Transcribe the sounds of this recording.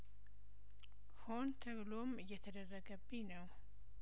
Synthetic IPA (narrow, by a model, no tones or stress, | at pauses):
hont̪ʰəβlomɨjːɛt̪ʰəd̪ərːəɡəbːinəw